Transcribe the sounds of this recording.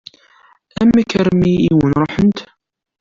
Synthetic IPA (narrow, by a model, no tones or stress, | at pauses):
æmːækəɾmiiwənɾˤoħənt̪